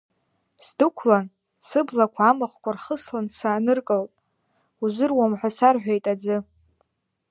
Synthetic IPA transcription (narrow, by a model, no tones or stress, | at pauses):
sdɨkʷʰlan | sɨblakʷʰaːmɨχkʷʰarχəslansaːnɨrkʼɨltʼ | uzʷɨrwamħʷasarħʷᶣejtʼad͡zɨ